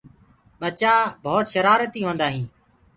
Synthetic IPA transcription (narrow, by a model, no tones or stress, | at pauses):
ɓət͡ʃaːbʱoːt̪ʃəɾaːɾət̪iːɦõːnd̪aːɦĩː